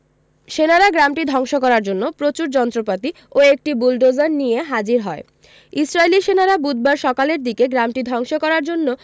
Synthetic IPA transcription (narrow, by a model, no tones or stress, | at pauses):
ʃenaɾaɡɾamʈid̪ʱɔŋʃokɔɾaɾd͡ʑonːopɾot͡ɕuɾd͡ʑɔnt̪ɾopat̪i | oek̚ʈibulɖozaɾnijeɦad͡ʑiɾɦɔe | isɾajliʃenaɾabud̪̚ʱbaɾʃɔkaleɾd̪ikeɡɾamʈid̪ʱɔŋʃokɔɾaɾd͡ʑonːo